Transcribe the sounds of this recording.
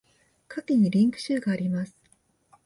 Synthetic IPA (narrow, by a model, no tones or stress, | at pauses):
kʰakʲiɲ̟iɾʲĩŋkɯ̟̥ɕɨːɡaːɾʲimasɨ̥